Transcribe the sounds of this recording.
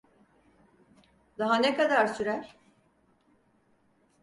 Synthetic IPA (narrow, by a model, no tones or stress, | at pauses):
d̪aɦanekad̪aɾsyɾæɾ̥